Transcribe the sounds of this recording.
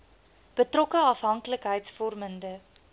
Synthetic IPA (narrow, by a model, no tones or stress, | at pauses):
b̥ətrɔkəɐfɦɐŋkləkɦəjtsfɔrməndə